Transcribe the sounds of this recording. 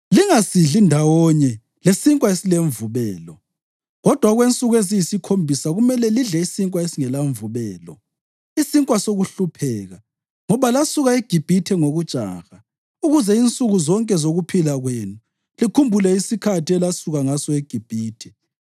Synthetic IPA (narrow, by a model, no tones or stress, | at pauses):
liŋasiɮindʱawɔɲɛ | lesiŋkʼwaesileɱvuβɛːlɔ | ɣɔd̥ʱwaɣwent͡sʼuɣwezijisikʰombʱisaɣumɛlɛliɮɛisiŋkʼwaesiŋɛlaɱvuβɛːlɔ̰ | isiŋkʼwasoɣuɬupʰɛːɣa | ŋɔβalasuɣaeɡ̥ʱib̥ʱitʰɛŋoɣut͡ʃʼa̰ɣa | uɣuzɛint͡sʼuɣuzɔŋkʼɛzoɣupʰilaɣwenu | likʰumbʱulɛisikʰatʰiɛlasuɣaŋasɔeɡ̥ʱib̥ʱiːtʰɛ̥